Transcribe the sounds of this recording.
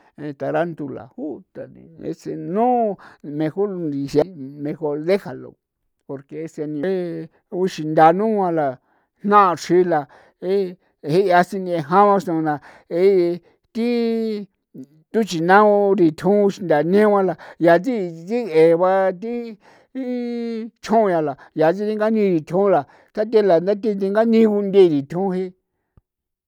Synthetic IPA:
ẽ˧t̪a˨ɾa˦nt̪u˧la̰˨hu˦t̪a˨nḭ̃˨ḛ˧se˧nũ˦˧mẽ˧xo˦˧nɾi˨se˧mẽ˧xo˧ɾðe˦ha˨lo̰˨ | po˧ɾke˧e˧se˧nĩ˧˦ | u˧ʃi˧nd̪a˧nũ˦wʷã˧la˨ | hnã˦ʔʂi˦˧la˨ | e˦ | hi˦˧a˧si˧nĩ˧e˧ɦã˦βã˧ʃnõ˧na˧ | e˦ | t̪i˦ | t̪u˦t͡ʃi˨nã˦u˧ɾi˨t̪ʰũ˦˧ʃi˧nd̪a˨nẽ˦˧ã˧la˧ja˨t͡si˦˧t͡si˦e˨βa˧t̪̬i˦ | t͡ʃ̪ʰũ˦˧ja˧la˨ja˨t͡s̬i˦t̪i˦ŋ˦ɡa˦nĩ˧ɾi˨t̪ʲʰũ˦la˨ | t̪a˦t̪̬e˦la˨nd̪a˦t̪i˦t̪̬i˧ŋɡa˦nĩ˦˧ku˧nd̪e˦˧ɾi˨t̪ʰũ˦˧e˦

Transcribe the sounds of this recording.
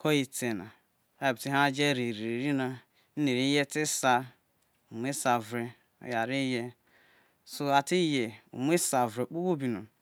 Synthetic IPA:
kʰɔ˦i˨te˨na˨ | a˦˨bti˦ɦa˦d͡ʒe˦˨ɾi˨ɾi˨ɾi˨ɾi˦na˨ | n̩˦ne˨ɾi˦je˦tɪ˦sa˦ | u˨mʷ˦e˦sa˨vɾḛ˨˦ | ja˨ɾi˦je˦ | so˨a˨ti˦je˨ṵ˨m˦e˦sa˨vɾe˨k͡pu˦wo˦bi˨no˨

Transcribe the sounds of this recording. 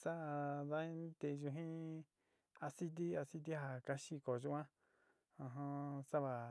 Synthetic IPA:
sa˦˧ða˦ĩ˦t̪e˧ʒu˧ɦĩ˦ | a˧si˦t̪̬i˦a˧si˦t̪̬i˦ɦa˨ka˧ʃi˧ko˨ʒu˧˦ã˦ | ã˧ɦã˧sa˦βa˨

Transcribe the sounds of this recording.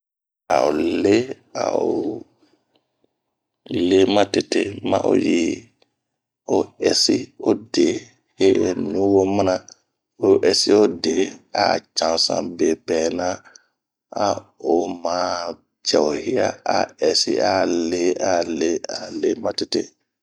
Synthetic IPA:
a̰˨o˨le˦ | a̰˨o˨ | le˦ma˦te˦˨te˦ma̰˦ʔo̰˦ji˨ | o˨ɛ˨si˦o˦de˨ | he˦nũ˦wo˦ma˦na˦ | o˨˦˨ʔɛ˨si˦o˦de˨a˨t͡ʃã˨sã̰˨be˨bɛː˨na˦ | a˦o˨ma˦ | t͡ʃɛ˨o˨hi˦ja˦a˨ɛ˨sḭ˦a˨le˦a˨le˦a˨le˦ma˦te˦tḛ˦

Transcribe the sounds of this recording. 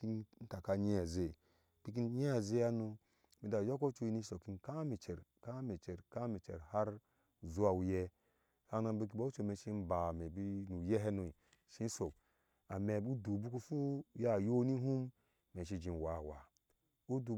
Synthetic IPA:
i˦nn̩˦ta˨ka˦ɲe˦a˨ze˨ | b̥i˦k̬i˦n˦ɲe˦a˨ze˦ja˦nu˧ | mi˨da˨jo˦ko˦t͡ʃo˦i˦ni˦so˨ki˦nka˦mi˨t͡ʃe˨ɾka˦me˨t͡ʃe˨ɾka˦mi˨t͡ʃḛ˨ɾha˦ɾ | zu˦a˨wu˨je˦ | ka˦na˧˦bi˦k̬i˨bo˦u˦t͡ʃo˨me˨ʃi˦n̩˦ba˨me˨bi˦nu˨je˦ɦe˦nu˨i˨ | ʃi˦so˨ | a˨me˨bu˦du˨bu˦ku˦fu˦ja˦˨jo˦ni˦ɦu˦m | me˨ʃi˦d͡ʒi˨n˨wa˨wa˨ | u˦du˨

